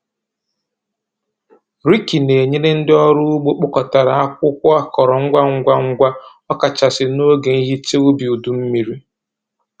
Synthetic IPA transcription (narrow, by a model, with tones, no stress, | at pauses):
ɾi˦ki˨ne˨ɲe˦ne˦n̩˦dɪ˦ɔ˦ɾʊ˦ɡ͡bo˦k͡pʊ˦kɔ˨ta˨ɾa˨a˦kʷʊ˦kʷɔ˦a˦kɔ˨ɾɔ˨ŋ̩˦ɡʷa˦ŋ̩˦ɡʷa˦ŋ̩˦ɡʷa˦ | ɔ˦ka˨t͡ʃa˨sɪ˨no˦ɡe˨ni˦ɦi˦t͡ʃe˦u˦bi˨u˨du˨m̩˦mi˨ɾi˦